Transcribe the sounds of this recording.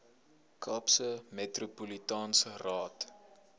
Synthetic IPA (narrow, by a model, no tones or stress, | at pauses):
kʰɑːpsəmetrupulitɑːnsərɑːt